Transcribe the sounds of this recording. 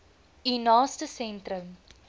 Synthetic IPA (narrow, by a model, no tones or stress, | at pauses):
inaːstəsɛ̃ntɾəm